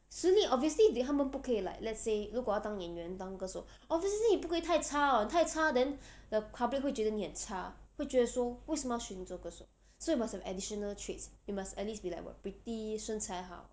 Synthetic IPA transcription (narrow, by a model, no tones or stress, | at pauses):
siliʔɔp̚viəs̬lidɦamə̃npukʰəila̰ɪk̚lɛtselukɔjaʊt̪ãŋjɛ̃nɥɛ̃nt̪ãŋkəso | ʔɔpviəslinipukʰəit̪ʰaɪt͡ʃʰaə̃nt̪ʰaɪt͡ʃʰadɛ̃ndəpʰablik̚hwet͡ʃɥɛdənihə̃nt͡ʃʰaweɪt͡ɕɥɛdəswɔweɪsə̃maʊʃinit͡swɔkəso̰ | soit̚mashɛvɛdiʃənəltʰɹetsit̚masɛt̚lisbila̰ɪkwə̰pɹitisə̃nt͡sʰaɪɦa̰ʊ